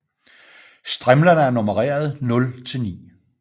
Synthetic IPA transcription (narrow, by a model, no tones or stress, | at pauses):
sd̥ʁɛmlɐnəæɐno̝məʁḛːɐð̞ˠnɔ̽lt͡sʰe̝lnḭː